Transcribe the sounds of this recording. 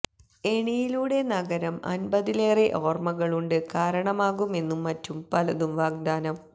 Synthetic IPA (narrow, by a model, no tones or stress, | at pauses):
e̞ɳijiluːɽe̞nɐɣɐɾɐmɐ̰nbɐðile̞ːreʔo̞ːrmɐɣɐɭuɳɖɨkaːɾɐɳɐmaːɣume̞nːumːɐtːumpɐlɐðumʋaːɡ̚d̪aːnɐm